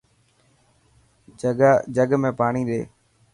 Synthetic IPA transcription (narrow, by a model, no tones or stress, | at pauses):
d͡ʒəɡmẽːpaːɳ̃iːɗḛː